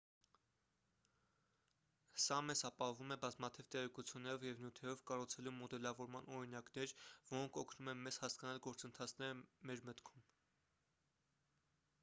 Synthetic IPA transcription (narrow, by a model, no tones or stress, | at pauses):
sɑmɛzɑpɑɦɔvumɛbɑzmɑt̪ʰivt̪ɛʁɛkut͡sʰjunːɛɾɔvjɛvnjut̪ʰɛɾɔvkɑrut͡sʰɛlumɔd̪ɛlɑvɔɾmɑnɔɾinɑknɛɾvɔɾɔŋkʰɔkʰnumɛnmɛzhɑskɑnɑlɡɔɾt͡sənt̪ʰɑt͡sʰnɛɾəmɛɾmət̪kʰum